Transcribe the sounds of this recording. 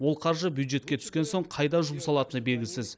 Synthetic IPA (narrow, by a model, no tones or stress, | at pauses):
wo̞lˠqʰɑɾʒəbjuwd̪ʒe̞t̪̚kʲe̞t̪ʰʏ̥skʲe̞nso̞ɴqʰɑjd̪ɑʒʊməsɑlˠɑt̪ənəbe̞lɡʲɪsɪz